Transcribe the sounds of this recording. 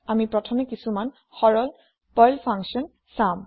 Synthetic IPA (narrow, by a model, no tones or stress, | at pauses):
amipɹɔtʰɔmekisuman | xɔɹɔl | pɔjlpʰaŋksɔn | saʊ̃m